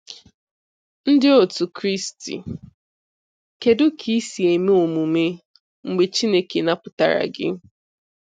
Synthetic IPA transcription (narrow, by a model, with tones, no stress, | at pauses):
n̩˦dɪ˦o˨tu˨kɾi˦stḭ˨ | ke˨dʊ˦kʰi˦si˨e˨me˦o˨mu˨me˦ | ŋ͡m̩˨ɡ͡be˨t͡ʃi˦ne˦ke˨na˦pʊ˨˦ta˨ɾa̰˨ɡɪ̰˦